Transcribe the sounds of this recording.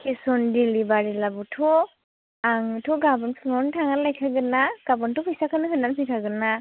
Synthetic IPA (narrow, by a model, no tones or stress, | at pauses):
kʰisɔndilibaɾilabutʰɔ | aŋtʰɔɡabɔntʰnɔntʰaŋalajkʰaɡɯnaɡ̥abɔntupʰɯjsakʰanɯkʰɯnansikʰaɡɯna